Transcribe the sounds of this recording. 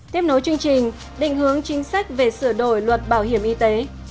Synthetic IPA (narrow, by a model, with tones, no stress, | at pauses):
t̪i˦˥əp̚no˨˦jt͡ɕɨ˧əŋt͡ɕï˨˩ŋ̟ | ɗḭ˧˨ŋ̟hɨ˨˦əŋt͡ɕï˨˦ŋ̟sa˦˥k̚ve˨˩sɨ˧˩ɗo˧˩jlwə˨˩t̚ɓaː˧˩wɦi˧˩əmʔi˧t̪e˨˦